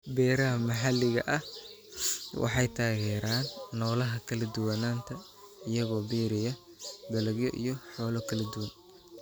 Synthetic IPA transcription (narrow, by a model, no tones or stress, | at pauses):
bɛːɾɐɦɐmɐħalɪɣɐ̰ʔɐh | wʔɑ̰ħɑjt̪ʰaːɣɛːɾaːnːɔːlɐɦɐkʰɐlɐd̪ʊwɐnaːnt̪ʰɐ | ɪjɐɣɔːbɛːɾɪjɐ | d̪ɐlɐɡjɔʔḭjɔħɔːlɔkʰɐlɐd̪uwɐn